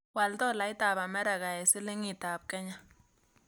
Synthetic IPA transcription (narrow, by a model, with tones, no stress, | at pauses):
wa˨ld̪o˦˨la˨˦jt̪a˦˨ba˨me˦ɾa˨ɡa˨jsi˦le˦ŋi˧t̪a˨b̚ke˦ɲa˨